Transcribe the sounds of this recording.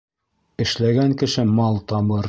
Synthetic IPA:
ɘ̆ʃlæɡæŋkɘ̆ʃɘmɑlˠt̪ɑbɤɾ

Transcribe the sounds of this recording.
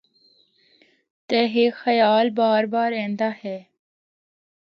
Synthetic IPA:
t̪eːɦeːxəjaːlbaːɾbaːɾẽːnd̪aːhɛː

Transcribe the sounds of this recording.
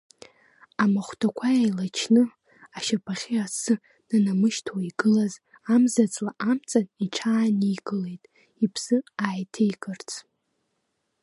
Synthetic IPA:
amaχʷtʰakʷʰajajlat͡ʃʰnɨ | aʃapʰaχʲiasɨ | nanamɨʃtʰwaiɡɨlaz | amzat͡sʼlaʔamt͡sʼaniʈ͡ʂʰaːniɡɨle̞jtʼ | ipʰsɨaːjtʰejɡɨrt͡sʰʼ

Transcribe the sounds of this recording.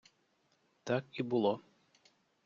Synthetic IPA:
t̪akibʊlˠɔ

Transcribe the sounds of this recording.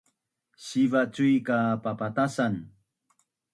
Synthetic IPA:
ɕivat͡sujkapapatasan

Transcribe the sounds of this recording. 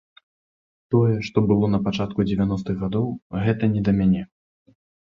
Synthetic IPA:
t̪ɔjɛʂt̪ɔbɨlˠɔn̪ɐpat͡ʂat̪kud͡zʲɛvʲanɔst̪ɨɣɣad̪ɔwɣɛt̪ɐnʲɛd̪ɐmʲanʲɛ

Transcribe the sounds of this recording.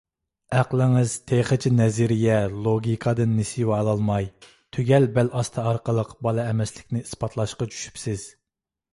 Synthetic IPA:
æqlˠɪŋɪz̥t̪ʰeχət͡ʃʰinɛzɪɾɪjɛlˠoɡʲikʰɑd̪ɨnːesɪwɑlˠɑlˠmɑj | t̪ʰøɡʲɛlbɛlɑst̪ʰɨɑɾqəlˠəqbɑlˠɨɛmɛslɪkʲnɪispɑt̪ʰlˠɑʃqɑt͡ʃʰy̥ʃy̥psɪz̥

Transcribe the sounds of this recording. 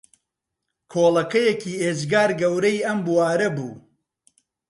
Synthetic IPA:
kʰoːlˠɐkɐjekʰiːezɡaːɾɡɐwɾɐjɐmbuwaːɾɐbṵː

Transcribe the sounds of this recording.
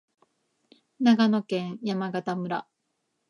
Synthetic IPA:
naɡano̞kẽ̞ɰ̃jamaɡat̪amɯ̟ɾa

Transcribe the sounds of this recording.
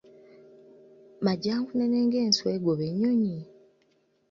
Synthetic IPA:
maɟaːŋkuneneːŋɡe̞ːnsweːɡoβeɲːoɲi

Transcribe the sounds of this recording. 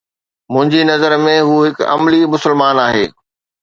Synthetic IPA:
mʊ̃ɦɪ̃ɲd͡ʑinɐzəɾmẽɦuːɦɪkɐ̰mlimʊsɪlmaːnaːɦeː

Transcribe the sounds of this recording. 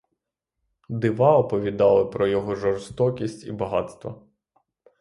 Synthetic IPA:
d̪ɪʋɑɔpɔʋʲid̪ɑlˠɪpɾɔjɔɦɔʒɔrst̪ɔkʲisʲtʲḭbɐɦɑt̪st̪ʋɐ̰

